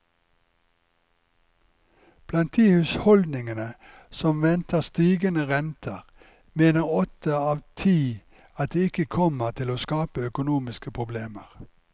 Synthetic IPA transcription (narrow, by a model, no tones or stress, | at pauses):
b̥lɑnt̪̚d̪iːhʉshɔld̪nɪŋənə | sɔmʋɛnt̪ʰəʁst̪iːɡənəʁɛnt̪ʰəʁ | meːnəʁɔt̪ʰəɑːʋt̪ʰiː | ɑt̪̚d̪eːɪkəkʰɔməʁt̪ʰɪloːskɑːpəœkʊnuːmɪskəpʰʁʊbleːməʁ